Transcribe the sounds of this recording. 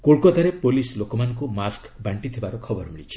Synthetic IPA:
koɭkɔt̪aɾepolislokɔmanɔŋkumaskbaɳʈit̪ʰibaɾɔkʰɔbɔɾmiɭit͡ʃʰi̥

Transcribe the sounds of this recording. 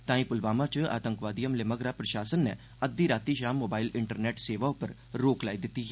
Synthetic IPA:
t̪ãːĩpʊlʋaːmãt͡ʃa̰ːt̪ə̃ŋkʋaːd̪ijəmlɪməɡɾapɾɐʃaːsənːɛ | əd̪iɾaːt̪iʃaːmːoːbaːilɪɳʈəɾneːʈseːʋaopəɾ | ɾoːklaːid̪ɪt̪ːi

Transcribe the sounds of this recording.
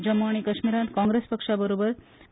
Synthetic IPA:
d͡ʒəmːaɳ̃ikəʃmiɾãnt̪kãŋɡɾespəkʂabəɾobəɾ

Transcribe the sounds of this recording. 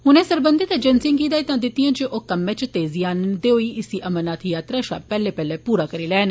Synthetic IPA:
ɦʊnẽːsəɾbənd̪eːt̪ãːd͡ʒənsɪ̃ŋɡiːd̪aːit̪ãːd̪ɪt̪ːɪjãːd͡ʒeʔoːkəmːẽːt͡ʃt̪eːzijaːnd̪eːoiːɪsiːʔəmənaːt̪ʰjaːt̪ɾaːʃa̰ːpɛːleːpɛːleːpuːɾaːkəɾeːlɛːn

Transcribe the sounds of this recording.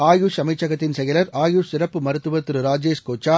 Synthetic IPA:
aːjuʂɐmɐɪt͡ʃːɐɣɐt̪ːɪnsɛjɐlɐɾaːjuʂsɪɾɐpːɯmɐɾɯt̪ːɯʋɐt̪ːɯɾɯɾaːd͡ʒeːʂkoːt͡ʃːaː

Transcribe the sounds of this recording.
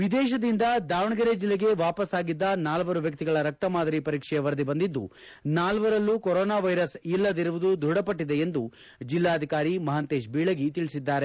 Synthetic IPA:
ʋid̪ɛːʃ̬ɐd̪ind̪ɐd̪aːʋɐɳɐɡɐɾed͡ʒilːeɡe̞ʋaːpɐsaːɡid̪ːɐnaːlʋɐɾuʋjɐk̚t̪iɡɐɭɐɾɐk̚t̪ɐmaːd̪ɐɾipɐɾiːkʂɛjɐʋɐɾɐd̪ibɐnd̪id̪ːṵ | naːlʋɐɾɐlːukɔɾɔːnaːʋɐjɾɐsilːɐd̪iɾuʋud̪ud̪ʱuɽɐpɐʈːid̪e̞end̪u | d͡ʒilːaːɐd̪ʱikaːɾimɐɦɐnt̪eːʃbiːɭɐɡit̪iɭisid̪ːaːɾe̞

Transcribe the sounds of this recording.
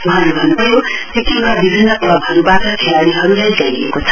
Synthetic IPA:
uɦãlebʱʌnːubʌjot̪ekʰinabibʱinːʌplʌbʱɦʌɾubaʈʌkʰejaɽiɦʌɾulajɡaiḛkot͡sʰʌ̥

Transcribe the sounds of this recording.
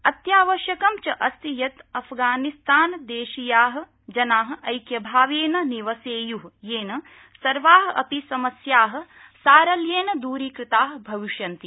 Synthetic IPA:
ɐt̪jaːʋɐʃjɐkɐmt͡ʃɐʔɐst̪ijɐt̪ɐpʰɡaːnist̪aːnd̪eːʃijaːɦɐ̆ | d͡ʒɐnaːɦɐ̆ɐjkjɐbʱaːʋeːnɐniʋɐseːjuɦjeːnɐ | sɐɾʋaːɦɐɐ̰pisɐmɐsjaːɦɐ̆ | saːɾɐljeːnɐd̪uːɾiːkɾɪt̪aːɦbʱɐʋiʃjɐnt̪i

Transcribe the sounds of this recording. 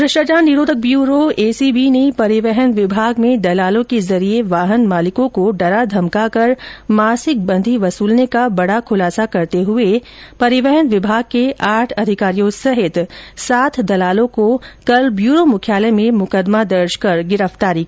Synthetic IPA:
ɾɪʃʈat͡ʃaːnːɪɾoːd̪ʱək̚bjuːɾoeːsibiːnepɐɾɪʋɛɦənʋɪbʱaːɡmẽd̪ɐlaːlõkezɐɾieʋaːɦənmaːlɪkõkoɖɐɾad̪ʱɐmkakɐɾmaːsɪk̚bɐ̃nd̪ʱiʋɐsuːlnekabɐɽakʰʊlaːsakɐɾt̪eɦʊepɐɾɪʋɛɦənʋɪbʱaːɡ̚keʔaːʈʰɐd̪ʱɪkaːɾijõsɐɦɪt̪saːt̪ʰd̪ɐlaːlõkokɐlbjuːɾomʊkʰjaːlemẽmʊkəd̪mad̪ɐɾʃkɐɾɡɪɾəft̪aːɾiki

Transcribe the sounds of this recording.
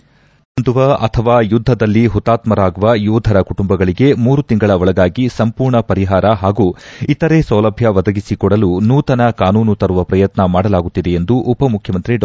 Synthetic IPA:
nd̪uʋɐʔɐt̪ʰɐʋaːjud̪ʱːɐd̪ɐlːiɦut̪ːaːt̪mɐɾaːɡuʋɐjuːd̪ʱɐɾɐkuʈumbɐɡɐɭiɡe̞muːɾut̪iŋɡɐɭɐɔɭɐɡaːɡisɐmpuːɾɳɐpɐɾiɦaːɾɐɦaːɡuːit̪ɐɾe̞sɐwlɐbʱjɐʋɐd̪ɐɡisikɔɽɐlunuːt̪ɐnɐkaːnuːnut̪ɐɾuʋɐpɾɐjɐt̪nɐmaːɽɐlaːɡut̪ːid̪e̞end̪uʔːpɐmukʰjɐmɐnt̪ɾiɖ

